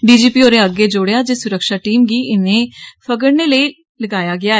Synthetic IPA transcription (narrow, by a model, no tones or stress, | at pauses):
ɖiːd͡ʒiːpiːoːɾeːəɡeːd͡ʒʊɽejaːd͡ʒeːsʊɾəkʃaːʈiːmɡiːʔɪnẽːpʰəɡəɽneːləiː | ləɡaːjaːɡɪaː